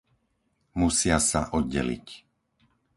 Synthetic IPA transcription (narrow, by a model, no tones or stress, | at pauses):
musɪasaʔɔd̪̚ɟɛ̰lḭc